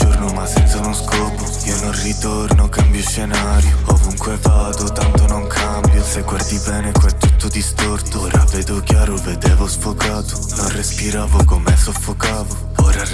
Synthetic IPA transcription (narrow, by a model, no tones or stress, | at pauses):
d͡ʒornʊmasːɛnt̪saunuskɔːpo | iːononrit̪ornokambjoʃːenaːɾjoovuŋkwevaːd̪ot̪ant̪onoŋkʰambjoseɡward̪ibɛːnekwɛt̪ːut̪ːʊd̪ist̪ort̪oɾavɛːd̪ok̟jaːɾoved̪ɛːvosfokaːt̪o̥ | nonrespiɾaːvʊkomɛsofːokaːvo | oːɾa